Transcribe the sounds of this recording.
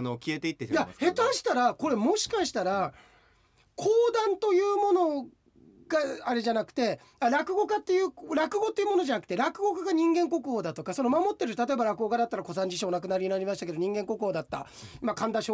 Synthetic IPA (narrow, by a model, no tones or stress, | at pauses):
nokʲiet̪eit̪ːetjahe̞t̪aɕi̥t̪aɾako̞ɾe̞mo̞ɕi̥kaɕi̥t̪aɾa | kʰoːd̪ãnt̪o̞jɯ̟ːmo̞no̞ | ɡaaɾe̞ʑanakɯ̟̥t̪e̞ | aɾakɯ̟ɡo̞kat̪ːejɯ̟ːɾakɯ̟ɡo̞t̪ːeiɯmo̞noʑanakɯ̥t̪e̞ɾakɯ̟ɡo̞kaɡaɲ̟ĩŋɡẽ̞ŋko̞kɯ̟oːd̪at̪o̞kaso̞no̞mamo̞t̪ːe̞ɾɯ̟t̪at̪o̞ebaɾakɯ̟ɡo̞ɡad̪at̪ːaɾako̞sãɲ̟d͡ʑiɕ̬o̞ːnak̬ɯ̟naɾʲiɲinaɾʲimaɕi̥t̪ake̞d̪o̞ɲĩŋɡẽ̞ŋko̞kɯoːd̪at̪ːa̰ | imakãnd̪aɕo